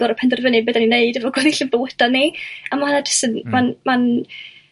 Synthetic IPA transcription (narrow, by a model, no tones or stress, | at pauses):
ɔɾəpʰɛndərvənebɛdanineɨdɛvɔɡoðiɬɪnbəwəd̥aniamaanadɪsənmanman